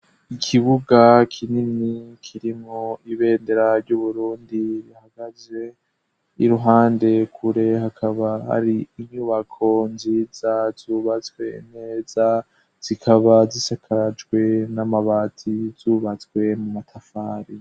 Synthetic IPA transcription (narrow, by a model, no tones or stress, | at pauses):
ikʰiβuɡakʰininikʰiɾimŋoiβe̞ːndeɾaɾɟuβuɾuːndiɾjahaɡ̥aze̞ | iɾuɦaːnde̞kʰuɾe̞hakʰaβaha̰ɾiːɲuːβakʰo̞nzizazuːβat͡swe̞ne̞ːza | z̥ikʰaβazisakʰad͡ʒɡwe̞namaβatʰizuːβat͡swe̞mumatʰafaːɾi